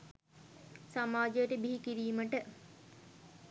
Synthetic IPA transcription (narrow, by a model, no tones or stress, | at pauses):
samaːd͡ʒejəʈəbiɦikiɾiːməʈə